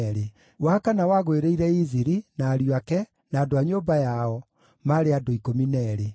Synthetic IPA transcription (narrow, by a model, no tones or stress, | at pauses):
ɾe | wakanawaɣoeɾeiɾɛiziɾinaːɾjakɛ | naːdoaɲoːbajaɔ | maɾeadoikominɛɾe